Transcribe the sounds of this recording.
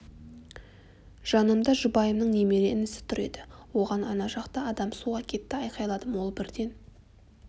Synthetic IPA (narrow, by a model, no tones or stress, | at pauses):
ʒ̥ɑnəmd̪ɑʒʊbɑjəmnəɴne̞me̞ɾeɪnɪsɪ̥t̪ʰʏɾe̞̰d̪ɪwo̞ʁɑnɑnɑʒɑqt̪ɑɑd̪ɑmsuʁɑkʲʰe̞t̪ːɪɑjqɑjlˠɑd̪əmwo̞lˠbɪɾd̪e̞n